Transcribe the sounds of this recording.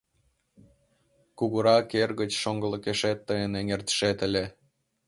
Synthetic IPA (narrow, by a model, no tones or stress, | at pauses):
kuɣuɾɑkerɣət͡ɕʃoŋɡə̆lə̆keʃet̪ːəjəneŋert̪ə̥ʃet̪ə̆lʲe